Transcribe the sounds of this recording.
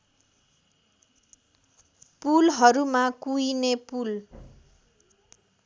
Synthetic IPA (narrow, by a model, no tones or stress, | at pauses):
pulɦʌɾumakujnepul